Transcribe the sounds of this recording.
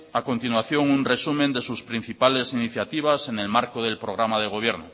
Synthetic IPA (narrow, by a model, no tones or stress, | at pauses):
akont̪inwaθjo̞ŋunresumẽnd̪e̞suspɾin̟θipale̞siniθjat̪iβ̞ase̞ne̞lmaɾkoð̞e̞lpɾoɣɾamaðe̞ɣ̞o̞β̞je̞ɾno